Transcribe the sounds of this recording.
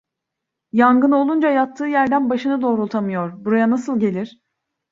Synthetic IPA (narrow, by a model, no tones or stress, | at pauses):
jaŋɡɯno̞lˠund͡ʒajat̪ʰːɯːjæɾd̪ænbaʃɯnɯd̪o̞ːɾulˠt̪ʰamɯjo̞ɾbuɾajanasɯlˠɟe̞lʲiɾ̥